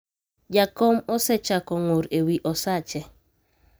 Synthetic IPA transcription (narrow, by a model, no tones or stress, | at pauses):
d͡ʒakɔmɔsɛt͡ʃakɔŋoɾewiʔɔsat͡ʃɛ